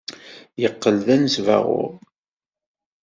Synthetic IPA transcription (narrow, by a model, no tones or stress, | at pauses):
jəqːəlðænəsvæ̰ʁʊ̰ɾ